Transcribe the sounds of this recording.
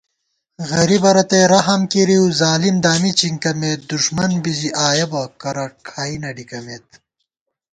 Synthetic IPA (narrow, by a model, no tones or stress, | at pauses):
ɣɐɾibɐɾɐt̪eɾɐɦɐmkiɾiwzaːlimd̪aːmit͡ɕiŋkɐmeːt̪̚d̪uʂmɐnbiziʔaːjɐbɐkɐɾɐkʰaːinɐɖikɐmeːt̪